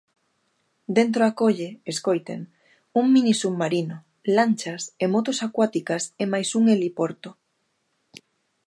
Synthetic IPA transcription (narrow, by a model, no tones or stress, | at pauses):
d̪ent̪̬ɾoakoʎeeskojt̪ḛŋ | uŋminisumːaɾino | lanʲt͡ʃasemot̪osakwat̪ikasemajsuŋelipoɾt̪o